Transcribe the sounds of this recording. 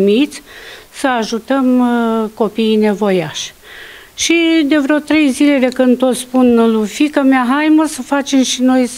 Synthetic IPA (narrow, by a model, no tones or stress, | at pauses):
mit̪sʲsəaʒut̪əmko̞pine̞vo̞jaʃʲ | ʃid̪e̞vɾeot̪ɾe̞jzile̞d̪e̞kɨnd̪̚t̪ot̪spunlufikəmeaɦajməsəfat͡ʃe̞mʃino̞j